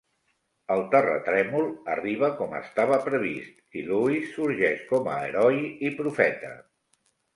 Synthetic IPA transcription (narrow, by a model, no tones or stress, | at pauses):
əlˠt̪ərə̰t̪ɾɛmulˠə̰riβ̞əkɔmə̰st̪aβəpɾəβist̪iluisːuɾʒɛʃkɔmə̰ːɾɔjipɾufɛt̪ə̰